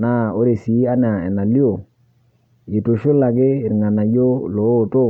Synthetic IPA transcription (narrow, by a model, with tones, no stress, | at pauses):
na˦˨o˦ɾe˨si˨˦a˦n˦a˨ɛ̰˨na˨li˦o˦˨ | ɪ˨to˨ʃo˦la˨ɡɪ˦ɪ˨ɾŋa˨na˨jo˦lo˨˦˨to˦˨